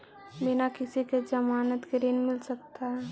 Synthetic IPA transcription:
bɪnakɪsiked͡ʒəmaːnət̪kɾeːnmɪlsək̚t̪aɦɛ

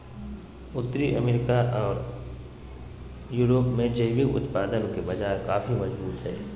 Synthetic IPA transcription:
ʊt̪ːɾiʔɐmeɾɪkaʔɔːɾ | juːɾoːpmẽd͡ʒɐɪbɪkʊ̰t̪paːd̪ənkebɐd͡ʒaːkaːfimɐd͡ʒbuːt̪ɦɛ̰ː

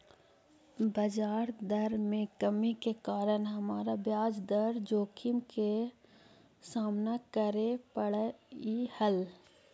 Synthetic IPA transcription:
bəd͡ʒaːɾd̪əɾmẽkəmikekaːɾəɳɦɐmaːɾabjaːd͡ʒd̪əɾd͡ʒoːkʰɪmke | saːmnakəɾepəɽihəl

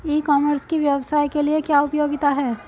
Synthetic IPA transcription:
iːkɔːməɾskiʋjɐʋsaːjkeliekjaːʊpjoːɡɪt̪aɦɛː

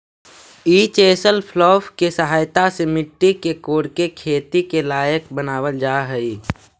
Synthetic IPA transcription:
iːt͡ʃeːsəlpʰlɔːfkesəɦaːjt̪asemɪʈːikekoːɾkekʰeːt̪ikelaːjəkbənaːʋəld͡ʒaːɦɛi

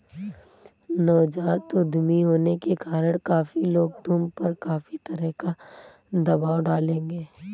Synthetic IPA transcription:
nɔːd͡ʒaːt̪ʊd̪miɦoːnekekaːɾəɽ̃kaːfiloːɡ̚d̪ʱʊmpɐɾkaːfit̪ɐɾəɦka | d̪ɐbaːwɖaːlẽːŋɡeː

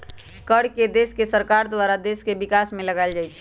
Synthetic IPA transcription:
kəɽked̪eskesəɾkaɾd̪waɾad̪eskebikasmẽləɡaɪld͡ʒajt͡ʃʰ

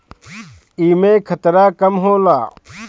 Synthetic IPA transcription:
iːmẽːkʰɐt̪ɾaːkɐmɦoːla̰ː

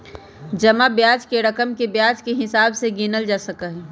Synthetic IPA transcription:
d͡ʒɐmabjaːd͡ʒkeɾɐkəmkebjaːd͡ʒkeɦɪsaːbseɡinəld͡ʒaːsəkaɦɛː

